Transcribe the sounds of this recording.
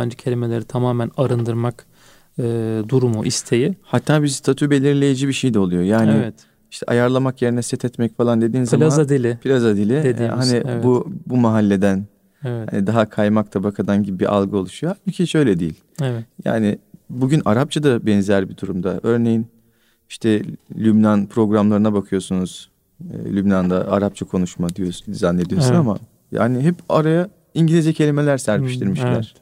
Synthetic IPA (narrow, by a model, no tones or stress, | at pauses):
band͡ʒacʰelʲimelʲeɾit̪ʰamaːmɛnaɾɯnd̪ɯɾmak | ɯːd̪uɾumuʔist̪ʰejihat̪ʰːaːbiɾst̪ʰat̪ʰube̞lʲiɾlʲe̞jid͡ʒibiʃejd̪ɛolˠujo̞jaːnɪɛt̪ | iʃt̪ʰɛ̰ʔa̰jaɾlˠamakje̞ɾinɛsɛt̪ʰɛt̪mɛcfalˠand̪e̞d̪iːnzamazaad̪ilʲɪbʰilʲazad̪ilʲɪd̪edhanɪbubumaɦalʲːe̞d̪æn | va̰nid̪aɦakʰajmak̚t̪ʰabakʰad̪anɟibibḭʔa̰lˠɡɯo̞lˠuʃujoabicʰiʃø̞jlʲɛd̪iːilʲja̰ːnɪbuɟynaɾap̚t͡ʃʰad̪abɛnzæɾbid̪uɾumd̪aø̞ɾne̞jin | iʃt̪ʰɛlʲybnanpʰɾo̞ɡɾamlˠaɾɯnabakʰɯjo̞sunuz̥ | ɯ̰ːlʲybnand̪aaɾap̚t͡ʃʰakʰo̞nuʃmad̪ijosunzanːe̞d̪ijo̞sunama̰ | ja̰ːnɪɦɛpaɾajɯ | iɲɟilʲizd͡ʒɛcʰe̞lʲime̞lʲæɾsæɾpʰiʃt̪ʰiɾmiʃlʲæ̰ɾ̥